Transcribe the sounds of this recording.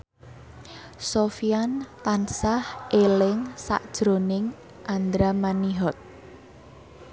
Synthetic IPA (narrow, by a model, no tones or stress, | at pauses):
sofiant̪ansahʔelɪŋsa̰ʔd̥ʒ̥ɾonɪŋ | ʔand̪ɾamaniɦɔt̪̚